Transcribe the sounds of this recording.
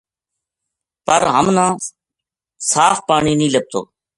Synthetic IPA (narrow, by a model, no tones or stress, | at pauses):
pəɾɦəmnãː | saːfpaːɳiːnĩːləb̚t̪o̰ː